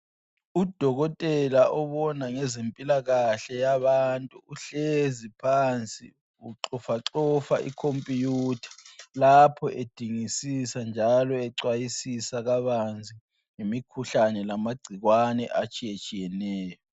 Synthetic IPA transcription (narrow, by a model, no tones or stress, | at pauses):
ud̥ʱɔɣɔtʼɛlaʔɔβɔnaŋɛzempʼilaɣaɬɛjaβantʼuːɬezipʰant͡sʼḭ | uǁɔfaǁɔfa̰ʔḭkʰompʼijuːtʰḁlapʰɔʔed̥ʱiŋisisand͡ʒʱalɔɛǀwajisisaɣaβand͡zʱi | ŋemikʰuɬanɛlamaɡ͡ǀʱiɣwanɛ̰ʔat͡ʃʼijet͡ʃʼijɛnɛːjɔ